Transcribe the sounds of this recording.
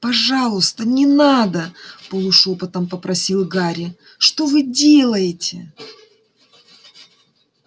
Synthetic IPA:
pɐʐɑlˠʊst̪ənʲɪnad̪əpəlˠʊʂopɨt̪əmpəpɾɐsʲilˠɡaɾʲɪ | ʂt̪o̞vɨdʲe̞lˠəjɪtʲɪ̰

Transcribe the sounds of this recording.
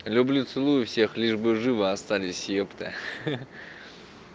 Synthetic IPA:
lʲʊblʲut̪sɨlˠujʊfsʲe̞xlʲiʐbɨʐɨvɨast̪alʲɪsʲjept̪ɨ̰

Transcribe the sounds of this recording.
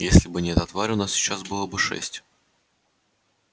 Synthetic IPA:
jesʲlʲɪbɨnʲɛt̪ɐt̪vaɾʲʊnassʲɪ̥t͡ɕːasbɨlˠəbɨʂɛ̰sʲtʲ

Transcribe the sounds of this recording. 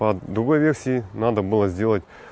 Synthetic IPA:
pɐd̪ɾʊɡo̞jvʲersʲiinad̪əbɨlˠəzʲdʲe̞lˠətʲ

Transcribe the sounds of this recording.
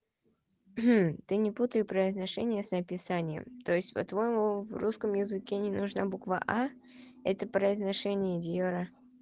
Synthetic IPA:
m̩t̪ɨnʲɪput̪əjɪpɾəɪznɐʂɛnʲɪjəsəpʲɪsanʲɪjə̰mt̪o̞jɪsʲtʲpɐ̰t̪vojɪmuvruskəmjɪzɨkʲenʲɪnʊʐnabukva̰ʔa | ɛt̪əpɾəɪznɐʂɛnʲɪjəd̪ʲjoɾə

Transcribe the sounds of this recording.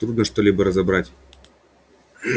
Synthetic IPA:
t̪ɾud̪nəʂt̪olʲibəɾəzɐbɾatʲ

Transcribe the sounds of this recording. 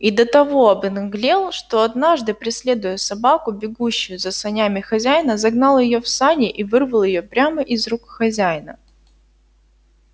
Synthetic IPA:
id̪ət̪ɐvo̞ɐbɨnɨɡlʲelˠʂt̪o̞ɐd̪naʐd̪ɨpɾʲɪsʲlʲed̪ʊjəsɐbakʊbʲɪɡuɕːʊjʊzɐsɐnʲamʲɪxɐzʲæjnəzɐɡnɑlˠjɪjofsanʲɪʔivɨrvəlˠjɪjo̞pɾʲaməʔɪzrukxɐzʲæjnə

